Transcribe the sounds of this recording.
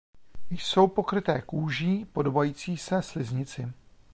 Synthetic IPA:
jso̞wpo̞kɾɪt̪ɛːkuːʒiːpo̞do̞bajiːt͡siːsɛslɪzɲɪt͡sɪ

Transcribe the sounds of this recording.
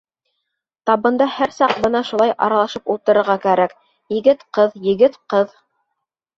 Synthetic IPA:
t̪ɑβɤ̆nd̪ɑhæɾsɑq̚bɤnɑʃulˠɑjʔɑ̰ɾɑlˠɑʃɤpulˠt̪ɤ̆ɾɤ̆ɾʁɑkæɾæk | jɘ̆ɡɘt̪qɤðjɘ̆ɡɘt̪qɤð

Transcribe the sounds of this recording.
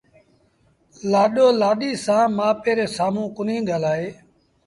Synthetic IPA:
laːɗoːlaːɗiːsãːmãːpeːɾeːsaːmũːkʊnĩːɡʱəlaːɦeː

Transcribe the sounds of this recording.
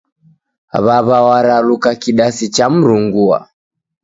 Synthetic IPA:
βaβawaɾalukakiɗasit͡ʃam̩ɾuŋɡua̰

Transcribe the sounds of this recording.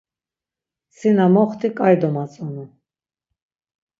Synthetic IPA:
sinamɔχt̪ʰikʼaɾd̪ɔmat͡sʼɔnu

